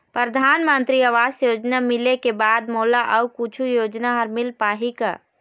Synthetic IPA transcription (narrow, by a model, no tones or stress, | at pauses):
pɾəɾd̪ʱanmənt̪ɾiəʋasjod͡ʒnamilekebad̪molaʔəukut͡ʃʰujod͡ʒnaɦəɾmilpaɦikə̰